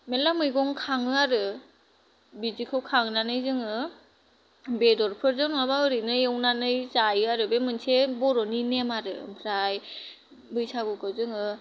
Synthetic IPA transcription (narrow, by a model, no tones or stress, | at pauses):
melamɯjɡɔŋkʰaŋɯaɾɯ | bizikʰɯwkʰaŋnanɯjzɯŋɯ | bedɔɾpʰɯɾzɯnmabaɯɾɯnɯjewnanɯjzajɯaɾɯbemɯnsʰebɔɾɔninemaɾɯ̰bʰɾaj | bɯjsʰaɡɯkʰɯwzɯŋɯ